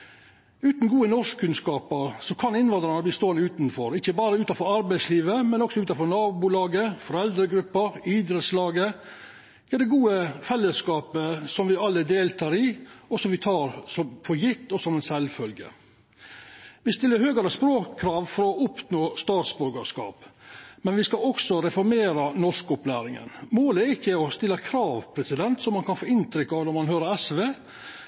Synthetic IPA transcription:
ʉːt̪n̩ɡuːənɔʂkkʰːʉnskɑːpəɾsɔkʰɑnɪnʋɑnd̪ɾɑnəbliːst̪oːənəʉːt̪nfɔɾɪçːəbɑːɾəʉːt̪ɑfɔɾɑɾbæɪsliːʋəmɛnɔksɔʉːt̪ɑfɔɾnɑːbulɑːɡəfɔɾɛld̪ɾəɡɾʉpːəɾid̪ɾɛt̪slɑːɡə | ɛd̪ɛɡuːəfɛlːəskɑːpəsɔmʋɪɑlːəd̪eːlt̪ʰɑːɾɪɔsɔmʋɪt̪ʰɑːɾsɔmfʰɔɾjɪt̪ːɔsɔmɛnsɛlfœlɡə̰ | ʋɪst̪ɪlːəɾhøːɡəɾəspɾoːkʰːɾɑːʋfɔɾɔʔʊpnoːst̪ɑːt̪sbʉɾɡəʂkɑ̰ːpmɛnʋɪskɑɔksɔɾɛfɔɾmeːɾɑnɔʂkɔplæːɾɪŋə̰nmoːləɛɾɪçːəɔst̪ɪlːɑkʰɾɑːʋpʰɾɛsɪd̪ɛnt̪sɔmːɑnkʰɑnfoːɪnt̪ʰɾʏkːɑʋnɔɾmɑnhøːɾəɾɛsʋeː

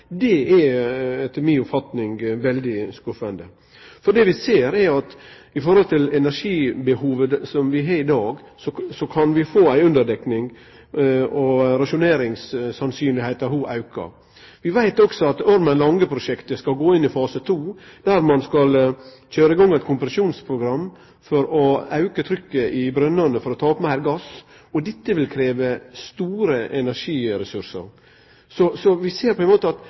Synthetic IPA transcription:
d̪ɛæɛt̪miːʊpfɑt̪nɪŋɡʋɛld̪ɪskʉfənd̪ə | fɔɖ̪ɛʋɪseːɾæɑt̪ | ɪfɔɾhɔlt̪ʰɪlɛnæɾʂiːbəhuːʋəsɔmʋɪɦɑːɾɪd̪ɑːɡ | sɔsɔkʰɑnʋɪfoːæɪʉnd̪əɾd̪ɛknɪŋ | ɔɾɑʂʊneːɾɪŋssɑnsyːnlɪheɪt̪əɦuːʔɑʉkə̰ɾ | ʋɪʋæɪt̪ɔksɔɑt̪ɔɾmənlɑŋːəpʰɾʊʂɛkt̪əskɑlɡoːɪnːɪfɑːsət̪ʰuːd̪̥æɾmɑnskɑlçøːɾəɪɡɔŋːɛɪt̪kʰʊmpɾɑʃuːnspʰɾʊɡɾɑmː | fɔɾɔɑʉkət̪ʰɾʏkːəʔɪbɾœnːənəfɔɾɔt̪ʰɑːɔpmæɪɾɡɑs | ɔd̪ɛt̪ːəʋɪlkʰɾeːʋəst̪uːɾəʔɛnæɾʂiːɾɛsʉɾsə̰ɾ | sɔsɔʋɪseːɾpʰɔɛnmoːt̪əɑt̪

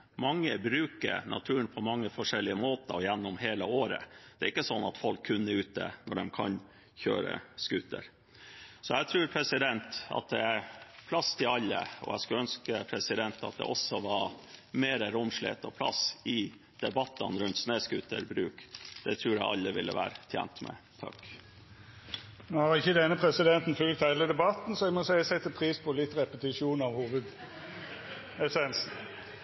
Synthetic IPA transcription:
mɑŋːəbɾʉːkə̰ɾnʔɑ̰t̪ʰʉːənpʰɔmɑŋːəfɔʂɛlːɪəmoːt̪əjɛnːɔmɦeːləoːɾə̰d̪ɛæɾɪkːəsɔnːɑt̪fɔlkʰːʉnːəʉːt̪̚d̪ə̰nɔɖɛmkʰɑ̰n | çø̰ːɾə̰skʉt̪ːə̰ɾ | sɔæt̪ʰɾʉːɾpʰɾɛsɪd̪ɛnt̪ɑ̰t̪̚d̪ɛæɾpʰlɑst̪ʰɪlɑlːə̰ɔ̰æ̰skʉlœnskəpʰɾɛsɪd̪ɛnt̪ɑ̰t̪̚d̪ɛ̰ʔɔsːɔʋɑɾmeːɾəɾʊmʂɭḛt̪əpʰlɑ̰sɪ | d̪̥ɛbɑt̪ːənɾʉnt̪sneːskʉt̪ʰːəɾbɾʉ̰ːkd̪̥ɛt̪ʰɾʉːɾæ̰ɪʔɑ̰lːəʋɪlːə̰ʋæ̰ːɾət̪ʰjæ̰ːnt̪mɛ̰t̪ʰɑ̰kː | nohɑʁɪçːəd̪ɛnːəpʰɾɛsɪd̪ɛnt̪n̩fʉlk̚t̪æɪləd̪ɛbɑt̪ːn̩sɔɛɪɡmɔsæɪəsɛt̪ːəpʰɾiːspʰɔlɪt̪ːɾɛpət̪ɪʂuːnɑʋhuːʋʉd̪ | ɛsɛnsn̩

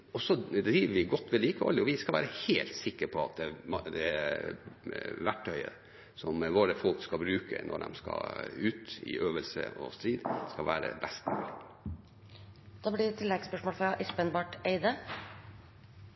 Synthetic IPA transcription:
ɔsɔd̪ɾiːʋəʋɪɡɔt̪ːʋɛliːkəo̰ːlɪɔʋɪskɑlʋæːɾəheːlt̪sɪkːəɾpʰɔɑ̰t̪̚d̪ɛmd̪ɛæɾ | ʋæʈʰːœʏə̰ | sɔmʋoːɾəfɔlkskɑbɾʉːkə̰nʔɔ̰ɖ̪ɛ̰mskɑ̰ʉːt̪ɪ̰ʔøːʋəlsə̰ɔ̰st̪ɾiːd̪skɑʋæːɾə̰bɛst̪mʉːlɪ | d̪̥ɑːblɪɾt̪ʰːɪlːɛɡspœʂmoːlfɾɑʔɪspənbɑʈeɪd̪ə

